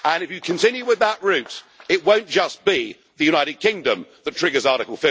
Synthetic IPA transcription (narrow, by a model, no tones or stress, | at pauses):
ə̃nɨfjɨkʰɨ̃ntɪ̃njʉwɪðəʔɹʉt | ɪt̚wə̃ʊ̃nd̥ʒ̥ʌsb̥i | ðɨjʉnaɪɾɨd̚kʰɪ̃ŋdə̃mðətʰɹ̥ɪɡə˞zɑɹɾɨkl̩ˠfɪ